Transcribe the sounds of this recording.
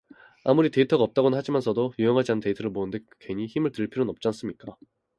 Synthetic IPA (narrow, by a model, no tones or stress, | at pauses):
amuɾite̞itʰʌɡaʌp̚t͈aɡonɯnɦad͡ʑimansʰʌdojujʌŋɦad͡ʑianɯnte̞itʰʌɾɯɭmonɯnde̞kkwe̞ɲiçimɯɭtɯɭpʰiɾonʌp̚t͡ɕ͈ans͈ɯmɲik͈a